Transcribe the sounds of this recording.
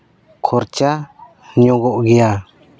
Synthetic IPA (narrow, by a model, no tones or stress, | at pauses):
kʰɔɾt͡ʃa | ɲɔɡɔʔɡɛja